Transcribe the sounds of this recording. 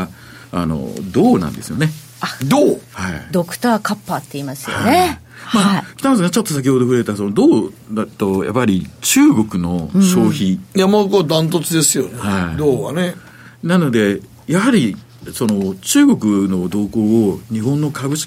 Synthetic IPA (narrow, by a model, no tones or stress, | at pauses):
a̰no̞̰d̪o̞ːnã̰nd̪e̞sɨjo̞ne̞ | ad̪oːhaid̪o̞kɯ̟̥t̪aːkapːaːt̪ːeimasɨjo̰ae | maːkʲi̥t̪amas̬eŋɡat͡ɕo̞t̪ːo̞sakʲiho̞d̪o̞ɸɯ̟ɾe̞t̪aso̞nod̪o̞ːd̪at̪o̞ja̰pːaɾʲit͡ɕɨːɡo̞kɯ̟no̞ɕo̞ːçijamokod̪ãnt̪̬ot͡sɨd̪esɨjonehaid̪oːβa̰ne | nano̞d̪e̞ | jaɦaɾʲi | so̞no̞t͡ɕɨːɡo̞kɯ̟no̞d̪o̞ːko̞ːɲ̟iɦõnːo̞kabɯ̟ɕi̥